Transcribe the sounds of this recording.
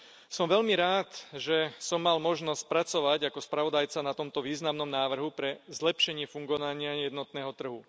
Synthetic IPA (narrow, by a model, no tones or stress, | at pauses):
sɔmʋɛʎmiɾaːt̪ʒɛsɔmːalmɔʒnɔsc̚pɾat͡sɔʋaɟakɔspɾaʋɔd̪ajt͡sanat̪ɔmt̪ɔʋiːznamnɔmnaːʋr̩ɦupɾɛzlɛpʃɛɲɪɛfuŋɡɔʋaɲɪajɛd̪nɔt̪nɛːɦɔt̪r̩ɦu